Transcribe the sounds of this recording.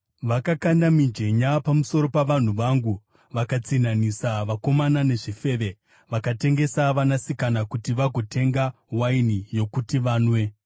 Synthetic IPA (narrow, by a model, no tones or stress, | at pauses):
ʋakakandamid͡ʒe̞ɲapamusoɾo̞paʋan̤uʋaŋɡu | ʋakat͡sinanisaʋako̞manane̞ʐife̞ʋe̞ | ʋakate̞ŋɡe̞saʋanasikanakutiʋaɡʱo̞tʰe̞ŋɡa | wainijo̞kutiʋaːnwe̞